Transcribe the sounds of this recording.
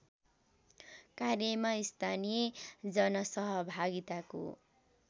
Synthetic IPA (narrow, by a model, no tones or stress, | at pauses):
karjʌmaist̪ʰanijed͡zʌnʌsʌɦʌbʱaɡit̪ako̰